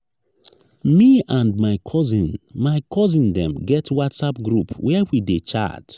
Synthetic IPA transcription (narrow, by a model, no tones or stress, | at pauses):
miãndmaɪkʰɔzĩnmaɪkʰɔzĩndɛ̰̃mɡɛtʰwatsapɡɹupwɛwidet͡ʃa̰t